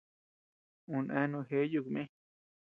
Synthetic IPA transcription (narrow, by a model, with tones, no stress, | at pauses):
ũ˧˨nʔɛ̃˧˦nũ˧ɦe˦ju˧˨kmẽ˦